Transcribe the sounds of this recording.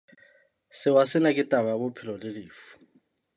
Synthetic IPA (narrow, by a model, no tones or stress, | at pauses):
sɪwasɪnakʼɪtʼamabʊpʰɪlɔdɪdɪːfu̥